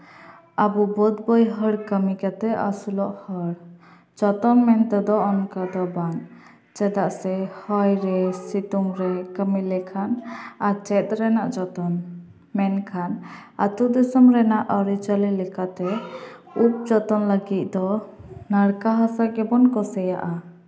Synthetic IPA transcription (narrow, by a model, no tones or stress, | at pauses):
abubɔd̪bɔjɦəɽkəmikat̪ɛʔasulɔʔhəɽ | d͡ʒɔt̪ɔnmɛnt̪ɛd̪ɔɔnkad̪ɔbaŋ | t͡ʃɛd̪aʔsɛhɔjɾɛsit̪uŋɾɛkəmilɛkʰanat͡ʃɛt̪̚ɾɛnaʔd͡ʒɔt̪ɔn | mɛnkʰan | a̰t̪ud̪ɛsɔmɾɛnaʔɔɾit͡ʃalilɛkat̪ɛ | up̚d͡ʒɔt̪ɔnləɡit̪̚ˀd̪ɔnaɽkaɦasakɛbɔnkɔsɛjaʔa